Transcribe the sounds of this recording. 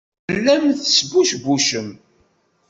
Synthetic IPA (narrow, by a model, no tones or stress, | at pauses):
lːæmθsbuʃbuʃəm